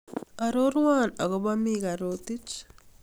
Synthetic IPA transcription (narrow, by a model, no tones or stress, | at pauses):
aɾoɾwanaɣoβamiɣaɾotit͡ʃ